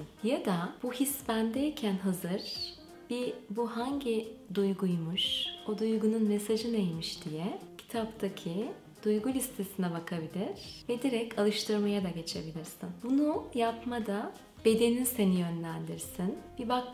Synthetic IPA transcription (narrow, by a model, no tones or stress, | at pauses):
jad̪ab̥uɦisbænd̪eicʰænɦazɯɾ̥ | b̥ibuɦaɲɟid̪ujɡujmuʃod̪ujɡununme̞saʒɯnejmiʃd̪ijɛcʰi̥t̪ʰapt̪ʰacʰi | d̪̥ujɡulʲist̪ʰe̞sinɛbakʰabilʲiɾ̥vɛd̪iɾɛcʰalˠɯʃt̪ʰɯɾmajad̪aɟe̞t͡ʃʰe̞bilʲiɾsinbunujapmad̪a | b̥e̞d̪e̞nise̞nijø̞nlʲænd̪iɾsinbibak̚